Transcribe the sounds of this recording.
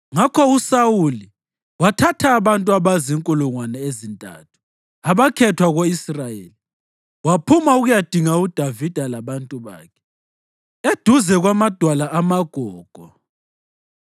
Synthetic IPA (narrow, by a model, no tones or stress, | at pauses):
ŋakʰɔusawuli | watʰatʰaːβantʼuaβaziŋkʼuluŋwanɛezintʼa̰ːtʰu̥ | aβakʰɛtʰwaɣoisrajḛːli | wapʰumauɣujad̥ʱiŋaud̥ʱavid̥ʱalaβantʼuβa̰ːkʰɛ̥ | ed̥ʱuzɛɣwamad̥ʱwalaʔamaɡ̥ʱɔːɡ̥ʱɔ